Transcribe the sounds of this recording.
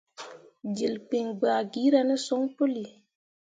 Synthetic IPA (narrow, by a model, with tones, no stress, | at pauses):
d͡ʒi˨lk͡pe˨ŋɡ͡ba˨ɡi˦ɾa˨ne˦so˦ŋpo˦li˨